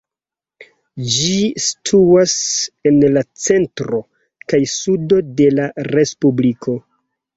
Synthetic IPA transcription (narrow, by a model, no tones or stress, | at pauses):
d͡ʒistʰuase̞nlat͡se̞ntɾo̞ | kajsudo̞de̞laɾe̞spublikʰo̞